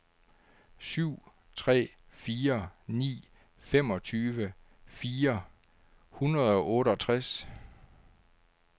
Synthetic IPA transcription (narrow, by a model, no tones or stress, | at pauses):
syʊ̰ | t͡sʰʁɛ̰ː | fiːɐnḭː | fem̰ɒ̽t͡sʰyːʋə | fiːɐ | hunʁɐðˠɒ̽ʔɔ̽ːɾəɒt͡sʰʁas